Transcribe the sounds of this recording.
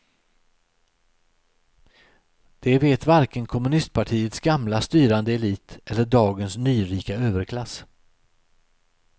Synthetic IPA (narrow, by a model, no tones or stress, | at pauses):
d̪̥ɛveːt̪vaɾkənkʰɔmɵnɪst̪̚pʰaʈʰiːət̪sɡamlast̪yːɾand̪əɛliːt̪ɛlːəɖɑːɡənsnyːɾiːkaøːvəɾkʰlas